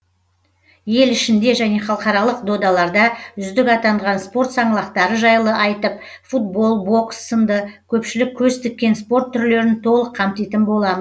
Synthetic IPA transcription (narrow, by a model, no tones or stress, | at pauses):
je̞lɪʃɪnd̪e̞ʒæne̞χɑlˠqɑɾɑlˠəqd̪o̞d̪ɑlˠɑɾd̪ɑʏzd̪ɪkɑt̪ɑɴʁɑnspo̞ɾt̪sɑɴəlˠɑqt̪ɑɾəʒɑjlˠəʔɑjt̪əp̚ | fut̪̚bo̞lˠbo̞ksːənd̪əkʲʰɵpʃɪlɪkʲʰːɵst̪ɪkʲːe̞nspo̞ɾt̪ʰːʏɾle̞ɾɪnt̪ʰo̞lˠəqʰːɑmt̪ejt̪ɪnbo̞lˠɑməz